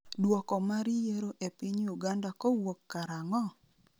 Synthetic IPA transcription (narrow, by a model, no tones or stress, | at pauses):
dwɔkɔmaɾijeɾoʔepɪɲjuɡandakɔwokːaɾaŋɔ